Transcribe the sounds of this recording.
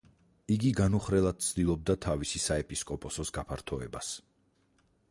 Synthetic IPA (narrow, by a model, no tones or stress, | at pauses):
iɡiɡanuχɾɛlˠad̪̥̚t̪sʰd̪ilˠɔb̚d̪at̪ʰavisisaɛpʼiskʼɔpʼɔsɔsɡapʰaɾt̪ʰɔɛbas